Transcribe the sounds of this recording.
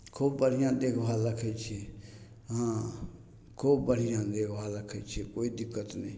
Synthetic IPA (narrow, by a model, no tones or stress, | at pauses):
kʰuːb̚bəɽ̤ɪjãːd̪eːkʰbaːləkʰəit͡ʃʰie | ɦãː | kʰuːbbəɽ̤ɪjãːd̪eːkʰbaːlakʰːət͡ʃʰekoːiːd̪ɪkːət̪nẽː